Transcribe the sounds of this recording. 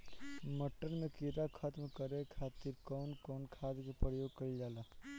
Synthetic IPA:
məʈːənmẽkiɾakʰat̪mkəɾekʰaːt̪iɾkɔːnkɔːnkʰaːd̪kepəjoːɡ̚kɐlid͡ʒaːlaː

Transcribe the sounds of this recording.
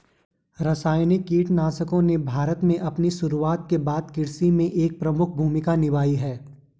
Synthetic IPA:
ɾɐsaːjnɪkːiːʈnaːsəkõnebʱaːɾət̪mẽʔɐpniʃʊɾuaːt̪̚kebaːd̪kɪɽsimẽʔeːk̚pɾɐmʊkʰbʱuːmɪkanɪʋaːiɦɛː

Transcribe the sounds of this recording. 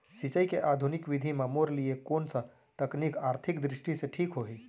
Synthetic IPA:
sit͡ʃəikeʔaːd̪ʱunɪkʋɪd̪ʱimamoːɾliekoːnsɐ | t̪ɐknikaːɾt̪ʰɪkd̪ɾɪʃʈiseʈʰiːkɦoːɦiː

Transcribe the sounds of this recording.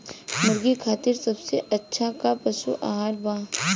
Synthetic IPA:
mɐɾɡikʰaːt̪ɪɾsɐbseʔɐtːʃʰakapɐʃṵʔa̰ːɦaːlbãː

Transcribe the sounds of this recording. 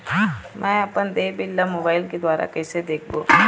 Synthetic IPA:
mɛ̃əpənd̪eːbɪlːamoːbaːɪlked̪ʋaːɾa̰kɛjsed̪eːk̚ʰbo̰

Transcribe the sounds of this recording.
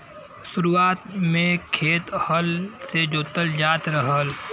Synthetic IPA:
ʃʊɾuaːt̪mẽkʰeːt̪həlsed͡ʒoːt̪əld͡ʒaːt̪ɾəɦəl

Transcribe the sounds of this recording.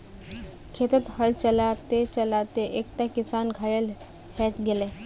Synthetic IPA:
kʰeːt̪ət̪hɐlt͡ʃəlat̪et͡ʃəlaːt̪eʔeːk̚t̪akɪsaːnɡʱaːjəl | hɛːt̪ɡɪle

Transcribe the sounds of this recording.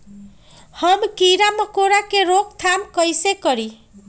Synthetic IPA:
həmkiɾaməkoɾakeɾok̚t̪ʰamkəjsekəɾi

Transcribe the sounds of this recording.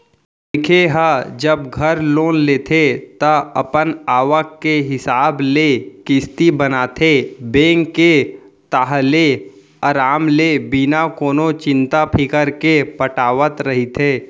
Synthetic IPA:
ɪkʰeɦəd͡ʒəbɡʱəɾloːnleːt̪ʰet̪əɐpənaːʋəkːeɦɪsaːblekɪst̪ibənaːt̪ʰebẽːŋkːe | t̪aːɦle | əɾaːmlebinakoːnot͡ʃɪ̃nt̪apʰɪkəɾkepəʈaːʋət̪ɾɐɦit̪ʰeː

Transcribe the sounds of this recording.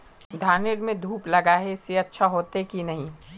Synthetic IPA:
d̪ʱaːnɪɾmẽd̪ʱuːplɐɡaɦɛɪseɐtːʃʰaɦoːt̪ekinɐɦĩː

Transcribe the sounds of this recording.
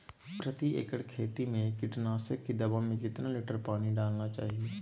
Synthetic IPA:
pɾət̪iḛːkəɽkʰeːt̪imẽkɪʈnaːsəkːid̪əbamẽkɪt̪nalɪʈəɾpaːniɖaːlnat͡ʃa̰ːɦieː

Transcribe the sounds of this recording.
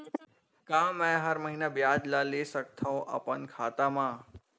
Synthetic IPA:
kãːmɛ̃ɦəɾməɦiːnabjaːd͡ʒlaːleːsək̚t̪ʰaõʔɐ̰pənkʰaːt̪amãː

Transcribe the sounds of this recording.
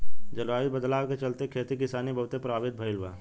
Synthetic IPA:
d͡ʒɐlʋaːʋibəd̪laːwket͡ʃɐlt̪ekʰeːt̪ikɪsaːnibʱɐɦʊt̪epɾaːbɪt̪̚bʱəɪlʋa̰ː

